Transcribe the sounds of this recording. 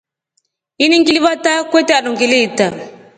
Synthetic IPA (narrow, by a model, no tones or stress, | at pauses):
iniŋkiliβatakwetɛalɔŋkileta